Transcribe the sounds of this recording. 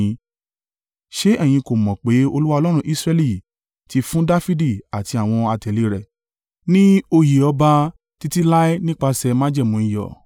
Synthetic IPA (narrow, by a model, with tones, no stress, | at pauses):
ʃe˦ʔɛ˦˨j̃ĩ˧ko˨mɔ̃˨k͡pe˨˦o˧lu˦wa˦˧lɔ˦ɾ̃ũ˧˦ʔi˦sɾɛ˧li˦˨ | ti˧fũ˦da˦fi˦di˦˨a˨ti˧a˨w̃ɔ̃˧a˧tɛ˨li˦ɾɛ˨ | nĩ˦o˧ji˨ɔ˧ba˧ | ti˧ti˦la˦i˦nĩ˦k͡pa˧sɛ˧mã˦d͡ʒɛ˦˨mũ˨˦ĩ˨jɔ̰˨